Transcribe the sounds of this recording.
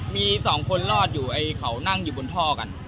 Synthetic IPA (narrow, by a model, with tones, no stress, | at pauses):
miː˧sɔː˩˦ŋkʰo˧nlɔː˥˩t̪̚juː˨˩ʔa˧jkʰa˩˦wna˥˩ŋjuː˨˩bo˧nt̪ʰɔː˥˩ka̰˧n